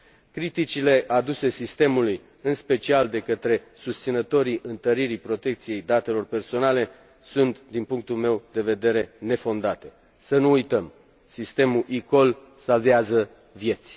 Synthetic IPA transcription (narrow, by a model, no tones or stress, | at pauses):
kɾit̪it͡ʃile̞ʔad̪use̞sist̪e̞muluj | ɨnspe̞t͡ʃiald̪e̞kət̪ɾe̞ | sust̪sinət̪o̞ɾiʔɨnt̪əɾiɾipɾo̞t̪e̞k̚t̪sije̞jd̪at̪e̞lo̞rpe̞rso̞nale̞ | sunt̪d̪inpuŋk̚t̪ulme̞wd̪e̞ve̞d̪e̞ɾe̞ne̞fo̞nd̪at̪e̞̥ | sənuːjt̪əm | sist̪e̞muʔiko̞l | salveazə | vje̞t̪sʲ